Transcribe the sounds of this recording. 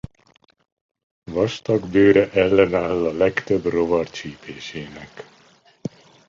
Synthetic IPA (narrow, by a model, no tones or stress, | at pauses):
vɒʃt̪ɒɡbøːɾɛʔɛlːɛnaːlːɒlɛkt̪øbro̞vɒrt͡ʃiːpʰeːʃeːnɛk